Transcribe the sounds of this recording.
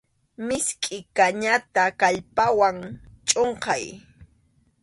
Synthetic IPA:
mɪskʼɪkaɲat̪akaʎpawaŋt͡ʃʼoɴqɑj

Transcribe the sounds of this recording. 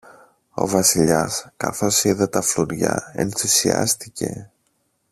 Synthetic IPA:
o̞vɐsiʎɐskɐθosiðet̪ɐfluɾʝɐe̞̰nθisiɐ̰st̪ice̞̰

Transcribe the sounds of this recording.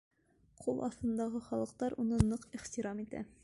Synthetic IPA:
qʰulˠʔɒ̰θt̪ɤ̆nd̪ɑʁɤχɒlˠɤ̆q̚t̪ɑɾunɤnɤqiχt̪iɾɑmit̪æ̰

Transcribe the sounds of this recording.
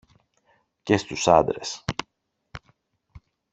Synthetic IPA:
cest̪usɐ̰nd̪ɾe̞̰s

